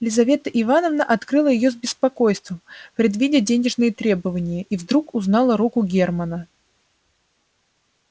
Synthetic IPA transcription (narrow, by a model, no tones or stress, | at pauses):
lʲɪzɐvʲe̞t̪əʔɪvanəvnəʔɐt̪kɾɨlˠəjɪjo̞zbʲɪspɐko̞jst̪vəmpɾʲɪd̪vʲidʲɪdʲenʲɪʐnɨjət̪ɾʲe̞bəvənʲɪjəʔivd̪ɾukʊznɑlˠəɾukʊɡʲe̞rmənə